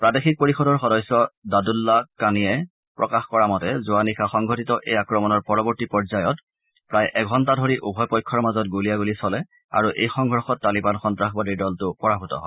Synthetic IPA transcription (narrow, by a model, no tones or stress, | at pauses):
pɹadexik̚poɹixɔdɔɹxɔdɔjsɔdadulːakanijɛ | pɹɔkaxkɔɹamɔtɛzʊanixʰaxɔŋɡʱɔtitɔʔejakɹɔmɔnɔɹpɔɹɔbɔɹtipɔɹzajɔt | pɹajʔɛɡʱɔntadʱɔɹiʔubʱɔjpɔjkʰːɔɹmazɔtɡulijaɡulisɔlɛ | a̰ɹuʔḛjxɔŋɡʱɔɹxɔtːalibanxɔntɹaxbadiɹdɔltʊpɔɹabʱutɔ̰ɦɔ̰